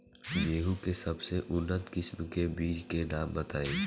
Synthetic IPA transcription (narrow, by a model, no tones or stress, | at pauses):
beːɦukesɐbseʔʊnːət̪kɪsmkebiːd͡ʒkenaːmbɐt̪aːeː